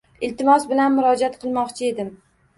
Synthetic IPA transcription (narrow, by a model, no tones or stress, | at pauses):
ɪlt̪ɪmɒsbɪlanmʊɾɒd͡ʒat̪̚qʰɨlˠmɒqt͡ʃʰɪe̞d̪ɪm